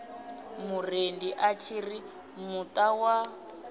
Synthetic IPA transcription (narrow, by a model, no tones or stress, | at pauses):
murendiʔat͡ʃʰiri | mutʼawa